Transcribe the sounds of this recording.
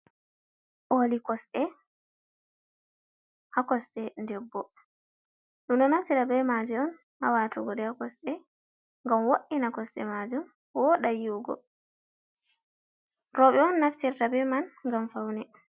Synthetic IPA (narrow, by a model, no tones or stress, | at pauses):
ʔolikɔsɗɛ | hakɔsɗɛndɛbːɔ | ɗumɗɔnaftiɾabɛmad͡ʒɛɔn | ʔa̰watuɡɔdɛhakɔsɗɛ | ŋɡamwoɗːinakɔsɗɛ̰mad͡ʒum | wɔɗajuɡɔ̰ | ɾɔɓɛɔnːaftiɾtabɛmanŋɡamfawnɛ